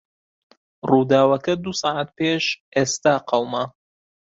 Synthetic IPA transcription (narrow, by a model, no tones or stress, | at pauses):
ruːd̪aːwɐkɐd̪usɑːʕat̪̚peːʃʔeːst̪aːqʰɐwmɐ